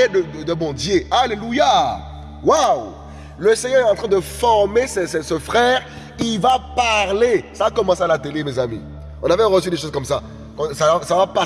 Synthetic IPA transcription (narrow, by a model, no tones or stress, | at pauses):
ed̪əd̪əd̪əbɔ̃d̪jealeluja | waw | ləsɛɲœʁɛt̪ɑ̃t̪χɛ̃d̪əfɔʁmesɛsɛsəfχɛːʁ | ivapaʁlesaːkɔmɑ̃salat̪elemezamḭ | ɔ̃navɛʁəsyd̪eʃozkɔmsa | kɑ̃savasavapa